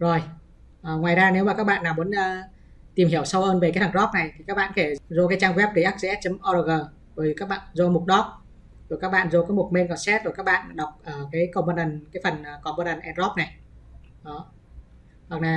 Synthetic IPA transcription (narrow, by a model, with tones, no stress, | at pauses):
zo˨˩j | ʔəː˨˩ŋwaː˨˩jzaː˧ne˨˦wma˨˩ka˦˥k̚ɓa̰ː˧˨nːaː˨˩wmu˨˦ə˦nʔəː˧˩ | t̪i˨˩mhi˧˩əwsa˧wʔəː˧nve˨˩ka˨˦t̪ʰa˧˩zɔ˦˥p̚na˨˩jt̪ʰi˨˩kaː˦˥k̚ɓa̰ː˧˨nke˧˩zo˧kaː˨˦jt͡ɕaː˧ŋɣwɛ˦˥p̚kə˨˦jʔa˦˥k̚ze˧ɛ˦˥t̚t͡ɕɛ˧mʔɔ˧ɾəː˧˩ɣəː˨˩ | ɗo˨˩i˨˩kaː˦˥k̚ɓa̰ː˧˨nzo˧mu˨˩t̚ɗɔ˦˥k̚ | ɗo˨˩kaː˦˥k̚ɓa̰ː˧˨nzo˧kaː˨˦jmu˨˩t̚me˧nkɔ˧˩nsɛ˦˥t̚ɗka˦˥k̚ɓa̰ː˧˨nɗa˨˩wk͡p̚ʔəː˨˩kaː˨˦jkə˧wmɓə˧nə˨˩nkaː˨˦jfə˨˩nʔəː˨˩kɔ˧˩mɓəː˧nə˨˩nʔɛ˧nzɔ˦˥p̚na˨˩j | ʔɔ˨˩ | ha˨˩k̚naː˨˩